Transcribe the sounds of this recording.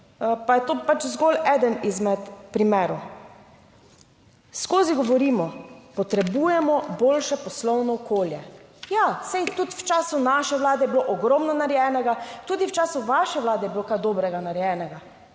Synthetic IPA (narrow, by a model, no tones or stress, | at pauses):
pajɛt̪oːpat͡ʃzɡolɛːd̪ənizmɛt̪pɾimɛːɾɔ | skoːziɡɔʋɔɾiːmɔpɔt̪ɾɛbuːjɛmɔboːlʃɛpɔslɔwnɔːkoːljɛjasɛjt̪ut̪wt͡ʃaːsunaʃɛʋlaːd̪ɛjɛbiloʔɔɡɾɔːmnɔnaɾjɛnɛɡat̪uːd̪iwt͡ʃaːsuʋaʃɛʋlaːd̪ɛjɛbiloːkajd̪oːbɾɛɡanaɾjɛːnɛɡa